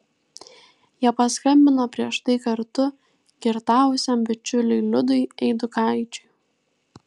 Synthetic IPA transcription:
jiɛpɐskɐmʲbʲɪnopʲɾʲiɛʃt̪ɐɪkɐɾt̪ʊ | kʲɪɾt̪ɑːʋʊsʲɛmbʲɪt͡ʃʲʊlʲʊɪlʲʊd̪ʊɪɛɪd̪ʊkɑˑɪt͡ʃʲʊɪ

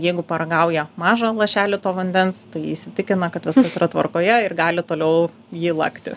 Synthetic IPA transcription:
jɛɪɡʊpɐɾɐɡɐʊjɛmɑːʒɐlˠɐʃʲæːlʲɪt̪oːʋɐnʲd̪ʲɛnst̪ɐɪɪsʲɪt̪ʲɪkʲɪnɐkɐt̪ʋʲɪskɐsiɾɐt̪ʋɐ̰rkoːjɛɪrɡɑːlʲɪt̪oːlʲɛʊ | jiːlˠɐkt̪ʲɪ̰

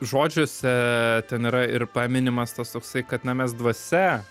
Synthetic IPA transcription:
ʒoːd͡ʒʲoːsʲɛt̪ʲɛniːɾɐɪrpɑːmʲɪnʲɪmɐst̪ɐst̪oːksɐɪkɐt̪nɐmʲɛsd̪ʋɐsʲɛ

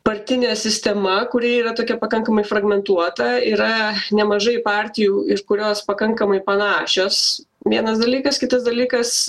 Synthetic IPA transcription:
pɐɾʲt̪ʲɪnʲɛːsʲɪsʲt̪ʲɛmɐkʊɾʲiɛiːɾɐt̪oːkʲɛpɐkɐŋkɐmɐɪfrɐɡmʲɛnt̪uɔt̪ɐiːɾɐnʲɛmɐʒɐɪpɑːɾʲt̪ʲɪjuːɪɾkʊɾʲoːspɐkɐŋkɐmɐɪpɐnɑːʃʲoːs | ʋʲiɛnɐsd̪ɐlʲiːkɐskʲɪt̪ɐsd̪ɐlʲiːkɐs

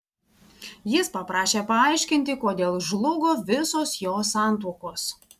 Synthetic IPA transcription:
jɪspɐpɾɑːʃʲeːpɐɐˑɪʃʲkʲɪnʲt̪ʲɪkoːd̪ʲeːlˠʒlˠʊɡoːʋʲɪsoːsjoːsɑˑnt̪oːkoːs

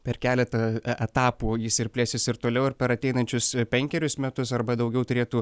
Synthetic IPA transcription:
pʲɛɾkʲæːlʲɛt̪ɐʔɛt̪ɑːpuːjɪsɪɾpʲlʲeːsʲɪsɪɾt̪oːlʲɛʊɪɾpʲɛɾɐt̪ʲɛɪnɐnʲt͡ʃʲʊspʲɛŋʲkʲɛɾʲʊsmʲɛt̪ʊsɐrbɐd̪ɐʊɡʲɛʊt̪ʊɾʲeːt̪uː

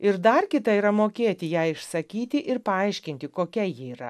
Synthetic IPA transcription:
ɪɾd̪ɐrkʲɪt̪ɐiːɾɐmoːkʲeːt̪ʲɪjæɪʃsɐkʲiːt̪ʲɪʔɪɾpɐɐɪʃʲkʲɪnʲt̪ʲɪkoːkʲɛjiːiːɾɐ̰

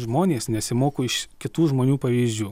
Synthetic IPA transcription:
ʒmoːnʲeːsnʲɛsʲɪmoːkoːɪʃkʲɪt̪uːʒmoːnʲuːpɐʋʲiːzʲd͡ʒʲuː

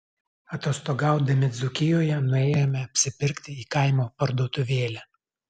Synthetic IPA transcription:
ɐt̪oːst̪oːɡɑˑʊd̪ɐmʲɪd̪zʊkʲɪjoːjɛnʊɛːjoːmʲɛɐpʲsʲɪpʲɪɾʲkt̪ʲɪiːkɐˑɪmoːpɐɾd̪oːt̪ʊʋʲeːlʲɛ

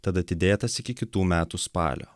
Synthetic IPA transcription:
t̪ɐd̪ɐt̪ʲɪd̪ʲeːt̪ɐsɪkʲɪkʲɪt̪uːmʲæːt̪uspɑ̰ːlʲʔo̰ː

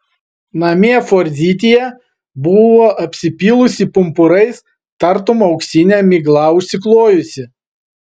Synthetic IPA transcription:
nɐmʲeɛfoɾʲzʲiːt̪ʲijɛ | bʊʋoːʔɐpʲsʲɪpʲiːlˠʊsʲɪpʊmpʊɾɐɪs | t̪ɐɾt̪ʊmɒʊksʲinʲæmʲiɡlˠɐʊʃʲsʲɪklˠoːjʊsʲɪ

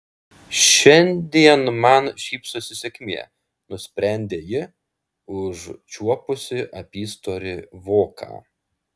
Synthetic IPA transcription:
ʃʲɛnʲd̪ʲiɛnmɐnʃʲiːpsʊsʲɪsʲɛkʲmʲiɛ | nʊsʲpʲɾʲæˑnʲd̪ʲeːjɪ | ʊʒt͡ʃʲuɔpʊsʲɪʔɐpʲiːst̪oːɾʲɪʋoːkʰɑ̰ː

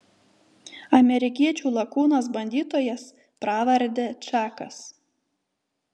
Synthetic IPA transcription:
ɐmʲɛɾʲɪkʲiɛt͡ʃʲuːlˠɐkuːnɐs̬bɐnʲd̪ʲiːt̪oːjɛs | pɾɑːʋɐɾʲd̪ʲet͡ʃʲɑːkɐs

